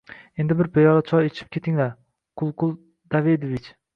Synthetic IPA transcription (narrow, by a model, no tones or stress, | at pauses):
e̞nd̪ɪbɪɾpajɒɾat͡ʃʰɒjet͡ʃʰɪp̚kʲʰe̞t̪ʰɪŋlaɾ | qʰʊlˠqʰʊlˠ | d̪̥aved̪ovɪt͡ʃ